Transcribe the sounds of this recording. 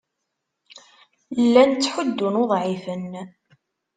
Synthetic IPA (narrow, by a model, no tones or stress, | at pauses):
lːænt͡sːħʊd̪ːʊnoðˤʕifən